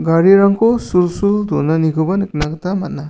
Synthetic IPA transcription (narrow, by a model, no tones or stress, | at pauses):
ɡaɾiɾaŋkʰɔsulsuldɔnanikʰɯbɐnɯk̚naɡɯt̪amat̚na